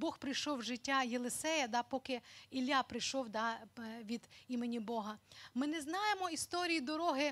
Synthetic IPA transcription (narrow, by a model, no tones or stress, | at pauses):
bɔxpɾɪjʃɔwʒɪtʲːajelˠesɛjɐd̪ɑpɔkɪilʲjapɾɪjʃɔwd̪ɑʋʲid̪imenʲibɔɦɐmɪnɛznɑjemɔist̪ɔɾʲijid̪ɔɾɔɦɪ